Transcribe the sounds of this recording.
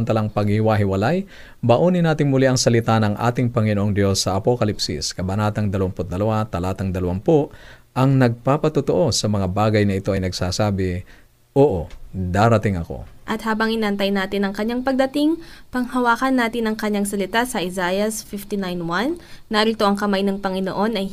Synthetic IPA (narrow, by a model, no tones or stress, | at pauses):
ɐnt̪ɐlaŋpɐɡhɪhɪwaɦɪwɐlaj | bɐʔoːnɪnaːt̪ɪŋmʊliʔɐŋsɐlɪt̪anɐŋʔa̰ːt̪ɪŋpɐŋɪnoʔo̞ŋd̪jo̞sːɐʔɐpokɐlipsḭskɐbɐnaːt̪ɐŋd̪ɐlɐwampʊt̪̚d̪ɐlɐwat̪ɐlaːt̪ɐŋd̪ɐlɐwampoʔʔɐŋnɐɡ̚papɐt̪ʊt̪oʔo̞sɐmɐŋabaːɡɐjnɐɪt̪o̞ʔɐjnɐɡsaːsaːbɪ | ʔoːʔod̪aːɾɐt̪ɪŋɐko̰ʔɐt̪haːbɐŋʔɪnɐʔɐnt̪ɐjnaːt̪ɪnɐŋkɐɲːaŋpɐɡ̚d̪ɐt̪iŋpɐŋhɐwaːkɐnːaːt̪ɪnɐŋkɐɲːaŋsɐlɪt̪asɐʔɪzajɐsfift̪inajnwanːaɾɪlt̪oʔɐŋkɐmajnɐŋpɐŋɪno̰ʔo̞nɐj